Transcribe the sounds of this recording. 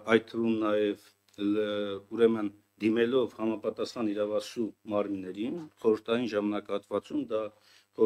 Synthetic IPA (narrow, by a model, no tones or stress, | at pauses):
ɑjt̪t̪ʰːəvumnɑjɛv | uɾɛmən | d̪imɛlɔvhɑmɑpɑt̪ɑsχɑniɾɑvɑsumɑɾminːɛɾinχɔɾəɾt̪ʰɑjinʒɑmɑnɑkɑhɑt̪vɑt͡sumd̪ɑ